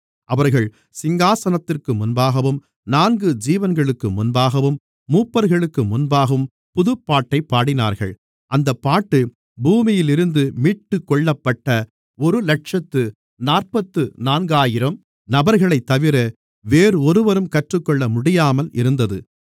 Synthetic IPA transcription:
ʔɐʋɐɾɣɐɭ | sɪŋɡaːsɐnɐt̪ːɪrkɯmʊnbaːɣɐʋɯm | naːnɡɯd͡ʒiːʋɐnɡɐɭɯkːɯmʊnbaːɣɐʋɯmː | uːpːɐɾɣɐɭɯkːɯmʊnbaːɣɯm | pʊðɯpːaːʈːɐɪpːaːɽɪna̰ːɾɣɐ̰ɭ | ʔɐnd̪ɐpːaːʈːɯ | buːmɪjɪlɪɾɯnd̪ɯmiːʈːɯkːɔɭːɐpːɐʈːɐ | ɔɾɯlɐʈ̚ʂɐt̪ːɯ | naːrpɐt̪ːɯnaːnɡaːjɪɾɐm | nɐbɐɾɣɐɭɐɪt̪ːɐʋɪɾɐ | ʋeːɾɯɔɾɯʋɐɾɯmkɐʈrɯkːɔɭːɐmʊɽɪjaːmɐlɪ̰ɾɯnd̪ɐðɯ

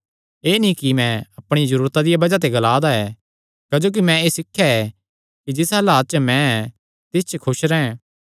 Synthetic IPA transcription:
eːnĩkimɛ̃ɐpɽ̃izɐɾuːɾt̪ad̪ɪjabɐd͡ʒat̪̬eɡɐlaːd̪aɛː | kɐd͡ʒoːk̬imɛ̃eːsɪkʰːjaɛ | kid͡ʒɪsɐlaːt̪̚t͡ʃmɛ̃ɛ | t̪ɪst͡ʃəkʰʊʃɾɛːɛ̃

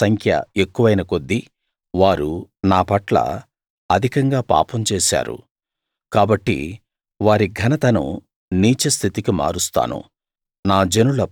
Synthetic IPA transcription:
sɐŋkʰjɐ̰e̞kːuʋɐjnɐko̞d̪ːi | ʋaːɾunaːpɐʈlɐ̰ | ɐd̪ʱikɐŋɡaːpa̰ːpɐmt͡ʃeːsa̰ːɾṵ | kaːbɐʈːḭ | ʋaːɾiɡʱɐnɐt̪ɐnṵ | niːt͡ʃɐst̪ʰit̪ikima̰ːɾust̪a̰ːnṵ | naːd͡ʒenulɐ

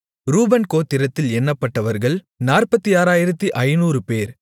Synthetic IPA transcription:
ɾuːbɐnkoːt̪ːɪɾɐt̪ːɪlɛnːɐpːɐʈːɐʋɐɾɣɐɭ | naːrpɐt̪ːiaːɾaːjɪɾɐt̪ːiʔɐɪnuːɾɯpeːɾ

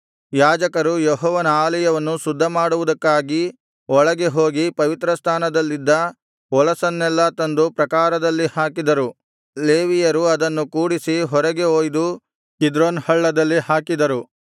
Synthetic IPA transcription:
jaːd͡ʒɐkɐɾujeɦɔːʋɐnɐaːlɛjɐʋɐnːusud̪ʱːɐmaːɽuʋud̪ɐkːaːɡi | ɔɭɐɡe̞ɦo̞ːɡipɐʋit̪ɾɐst̪ʰaːnɐd̪ɐlːid̪ːɐ | ɔlɐsɐnːɛlːɐt̪ɐnd̪upɾɐkaːɾɐd̪ɐlːihaːkid̪ɐɾu | leːʋijɐɾuɐd̪ɐnːukuːɽisiɦɔɾɐɡe̞oːjd̪u | hid̪ɾoːnhɐɭːɐd̪ɐlːihaːkid̪ɐɾu

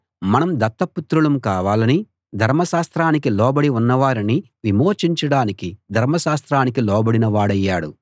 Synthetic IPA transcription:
mɐnɐmd̪ɐt̪ːɐput̪ɾuɭɐmkaːʋaːlɐni | d̪ʱɐɾmɐʃaːst̪ɾaːnikilɔːbɐɽiunːɐʋaːɾini | ʋimoːt͡ʃiɲt͡ʃɐɽaːnikid̪ʱɐɾmɐʃaːst̪ɾaːnikilɔːbɐɽinɐʋaːɽɐjːaːɽṵ

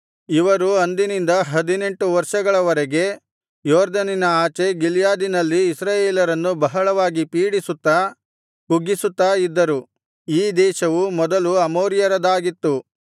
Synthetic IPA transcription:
iʋɐɾuɐnd̪inind̪ɐɦɐd̪ine̞ɳʈuʋɐɾʂɐɡɐɭɐʋɐɾɛɡe̞ | jɔːɾd̪ɐninɐaːt͡ʃe̞ɡiljaːd̪inɐlːiːsɾaːjeːlɐɾɐnːubɐɦɐɭɐʋaːɡipiːɽisut̪ːɐ | kuɡːisut̪ːaːid̪ːɐɾu | iːd̪ɛːʃɐʋumɔd̪ɐluɐmoːɾjɐɾɐd̪aːɡit̪ːu

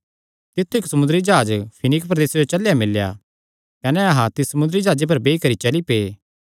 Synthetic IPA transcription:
t̪ɪt̪ʰːuɪksɐmʊ̃nd̪əɾid͡ʒaːd͡ʒpʰɪnɪkpɾɐd̪eːsed͡ʒot͡ʃɐlːjamɪlːja̰ | kɐnɛɐɦãt̪ɪsɐmʊ̃nd̪ɾid͡ʒaːd͡ʒep̬ɐɾbeːikɐɾit͡ʃɐlipeː

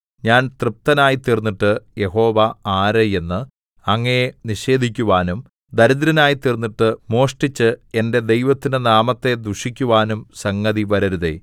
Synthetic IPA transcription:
ɲaːnt̪rɨp̚t̪ɐnaːjit̪ːirnːiʈːɨje̞ɦo̞ːʋɐaːɾɐje̞nːɨ | ɐŋːɐjeniʂe̞ːd̪ʱikʲːuʋaːnum | d̪ɐɾid̪ɾɐnaːjit̪irnːiʈːɨmo̞ːʂʈit͡ɕːɨe̞nde̞d̪e̞jʋɐt̪ːinɨnaːmɐt̪ːe̞d̪uʂikʲːuʋaːnumsɐŋːɐðiʋɐɾɐɾuðḛ

